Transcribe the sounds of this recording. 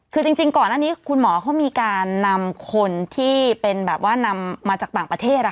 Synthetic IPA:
kʰɯː˧t͡ɕi˧ŋt͡ɕi˧ŋkɔː˨˩naː˥˩niː˦˥kʰu˧nmɔː˩˦kʰɔ˦˥wmiː˧kaː˧nːa˧mkʰo˧nt̪ʰiː˥˩pe˧nbɛː˨˩p̚waː˥˩na˧mːaː˧t͡ɕaː˨˩k̚t̪aː˨˩ŋpɾa˧t̪ʰeː˥˩t̪̚la˦˩˥

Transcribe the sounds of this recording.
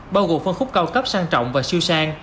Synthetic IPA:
ɓaː˧wɣo̰˨˩˨fə˧nxʊ˦˥k͡p̚ka˧wkə˦˥p̚saː˧ŋt͡ɕɔ̰˧˨wŋ͡mvaː˨˩si˧wsaː˧ŋ

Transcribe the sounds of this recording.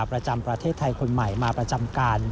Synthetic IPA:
pɾa˧t͡ɕa˧mpɾa˧t̪ʰeː˥˩t̪ʰːa˧jkʰo˧nma˨˩jmaː˧pɾa˧t͡ɕa˧mkaː˧n

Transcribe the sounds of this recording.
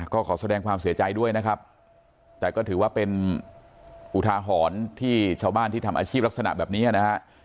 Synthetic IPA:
kɔː˥˩kʰɔː˩˦sa˧dɛː˧ŋkʰwaː˧msi˩˦ɐt͡ɕa˧jdu˥˩əjna˦˥kʰa˦˥p̚ | t̪ɛː˨˩kɔː˥˩t̪ʰɯː˩˦waː˥˩pe˧n | ʔu˨˩t̪ʰaː˧ɦɔː˩˦nt̪ʰiː˥˩t͡ɕʰaː˥˩wbaː˥˩nt̪iː˥˩a˧mʔa̰ː˧t͡ɕʰiː˥˩p̚la˦˥k̚sa˧na̰˨˩bɛː˨˩p̚niː˦˥ʔa˨na˦˥kʰa˦˥ʔ

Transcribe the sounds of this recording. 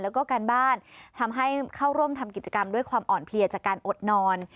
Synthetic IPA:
lɛː˦˥wkɔː˥˩kaː˧nbaː˥˩nt̪ʰa˧mɦa˥˩jkʰaː˥˩wɾu˥˩əmt̪ʰa˧mki˨˩t̪̚t͡ɕa˧ka˧mdu˥˩əjkʰwaː˧mʔɔː˨˩npʰli˧ət͡ɕaː˨˩kːaː˧nʔo˨˩t̪̚nɔː˧n

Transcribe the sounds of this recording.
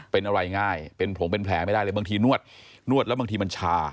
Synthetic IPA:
pe˧nʔa˧ɾa˧jŋaː˥˩jpe˧npʰo˨˩˦ŋpe˧npʰlɛː˩˦ma˥˩jdaː˥˩lɤː˧˩baː˧t̪ʰiː˧nu˥˩ət̪̚nu˥˩ət̪̚lbaː˧ŋt̪iː˧ma˧nt͡ɕʰaː˧

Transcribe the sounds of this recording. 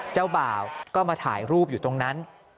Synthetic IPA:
t͡ɕa˥˩wbaː˨˩wkɔː˥˩maː˧t̪ʰaː˩˦jɾuː˥˩p̚juː˨˩t̪o˧ŋna˦˥n

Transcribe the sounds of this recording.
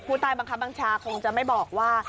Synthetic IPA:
kʰuː˧˥˩t̪aː˧jba˧ŋkʰa˦˥p̚ba˧ŋt͡ɕʰaː˧kʰo˧ŋt͡ɕa˨˩ma˥˩jbɔː˨˩k̚waː˥˩

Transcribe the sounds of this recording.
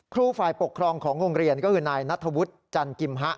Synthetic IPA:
kʰɾuː˥˩faː˨˩jpo˨˩kʰːɾɔː˧ŋkʰɔː˩˦ŋɾoː˧ŋɾi˧ənkɔː˥˩kʰɯː˧naː˧jna˦˥t̪ʰːa˧wu˦˥t̪̚t͡ɕa˧nki˧mɦa˦˥ʔ

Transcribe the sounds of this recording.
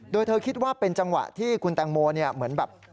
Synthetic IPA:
doː˧jt̪ʰɤː˧kʰi˦˥t̪̚waː˥˩pe˧nt͡ɕa˧ŋwa̰˨˩ʔt̪ʰiː˥˩kʰu˧nt̪a˧ŋmoː˧ni˥˩ɐmɯ˩˦ənbɛː˨˩p̚

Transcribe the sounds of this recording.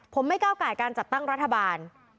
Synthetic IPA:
pʰo˩˦mːa˥˩jkaː˥˩wkaː˨˩jkaː˧nt͡ɕa˨˩t̪ːa˥˩ŋɾa˦˥t̪ʰːa˧baː˧n

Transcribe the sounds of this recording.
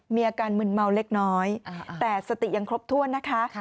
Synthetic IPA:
miː˧ʔaː˧kaː˧nmɯ˧˩nma˧wle˦˥k̚nɔː˦˥jt̪ɛː˨˩sa˧t̪i˨˩ja˧ŋkʰɾo˦˥p̚t̪ʰu˥˩ənːa˦˥kʰa˦˥

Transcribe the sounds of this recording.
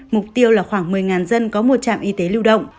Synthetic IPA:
mʊ˨˩k͡p̚t̪i˧əwlaː˨˩xwaː˧˩ŋmɨ˨˩əjŋaː˨˩nzə˧nkɔ˨˦mo˨˩t̚t͡ɕa̰ː˧˨mʔi˧t̪e˨˦lɨ˧wɗə̰˧˨wŋ͡mʔ

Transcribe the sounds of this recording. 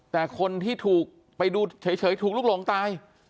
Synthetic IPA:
t̪ɛː˨˩kʰo˧nt̪ʰiː˥˩t̪ʰuː˨˩k̚ | pa˧jduː˧t͡ɕʰɤː˩˦jt͡ɕʰɤː˩˦jt̪ʰuː˨˩klu˥˩klo˨˩˦ŋt̪aː˧j

